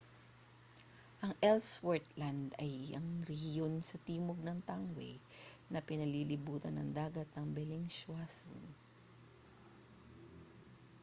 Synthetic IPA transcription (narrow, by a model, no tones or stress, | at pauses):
ʔɐŋʔɛlswɛɹt̪land̪ɐjɐŋɾɛhjonsɐt̪iːmoɡ̚nɐŋt̪aŋwɛ̰j | nɐpɪnɐlilɪbuːt̪ɐnɐ̰ŋd̪aːɡɐt̪̚nɐŋbɛlɪŋswaso̰n